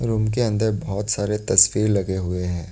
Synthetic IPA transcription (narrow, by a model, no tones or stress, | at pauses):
ɾuːmk̬eɐ̃nd̪əɾbɔɦɔt̪saːɾet̪ɐsfiːɾlɐɡeɦʊeɦɛ̃ː